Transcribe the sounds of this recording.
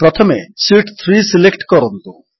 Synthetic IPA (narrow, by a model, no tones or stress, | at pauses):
pɾɔt̪ʰɔmesiʈt̪ʰɾisilekʈkɔɾɔnt̪u